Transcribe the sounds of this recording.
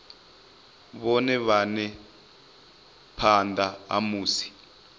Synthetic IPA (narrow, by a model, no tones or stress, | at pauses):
βɔnɛβanɛ | pʰandʱaa̰muːsi̥